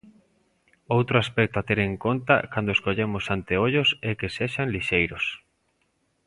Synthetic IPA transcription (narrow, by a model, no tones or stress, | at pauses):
owt̪ɾoaspɛk̚t̪oat̪eɾeŋkont̪a̰kand̪oeskoʎemosant̪eoʎosɛkeseʃanliʃejɾʊs